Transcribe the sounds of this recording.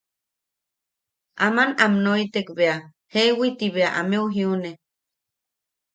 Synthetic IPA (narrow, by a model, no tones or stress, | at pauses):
ʔamanamnoit̪ekbea | hewit̪iβeaʔa̰meuɦiune